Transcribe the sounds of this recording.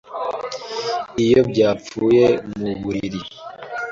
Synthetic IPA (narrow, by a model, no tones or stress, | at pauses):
ijo̞bɟaːp͡fuːje̞muβuɾiɾi